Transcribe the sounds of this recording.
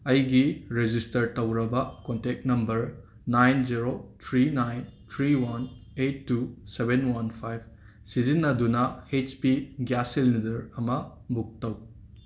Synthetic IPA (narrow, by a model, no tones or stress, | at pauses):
ɐjɡiɾed͡ʒistɐɾtɐwɾɐbɐkontek̚nɐmbɐɾ | najnziɾot̪ʰɾinajnt̪ʰɾiwɐnetːusebenwɐnpʰajb̚ | sizinːɐdunɐhet͡ʃpiɡjaselnidɐɾɐmɐbuk̚tɐw